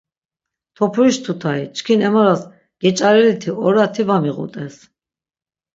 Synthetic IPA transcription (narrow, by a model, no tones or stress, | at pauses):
t̪ʰɔpʰuɾiʃt̪ʰut̪ʰait͡ʃʰkʰinɛmaɾas | ɡ̥ɛt͡ʃʼaɾɛlit̪ʰiɔɾat̪ʰivamiʁṵt̪ʼɛs